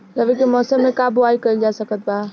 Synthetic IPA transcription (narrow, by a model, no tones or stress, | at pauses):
ɾəbikimɔːsəmːekabʊaikəild͡ʒasəkət̪̚ba